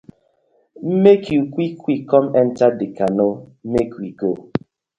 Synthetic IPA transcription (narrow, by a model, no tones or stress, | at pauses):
m̩mekiukʷikʷikɔmɛn̩tadikanom̩mekiɡo